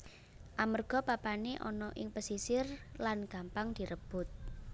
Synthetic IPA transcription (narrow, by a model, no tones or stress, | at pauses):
ʔamərɡ̥ɔ̤papaneʔɔ̰nɔʔɪŋpəsisɪrlanɡ̥a̤mpaŋd̪̥i̤ɾəb̥ʊt̪̚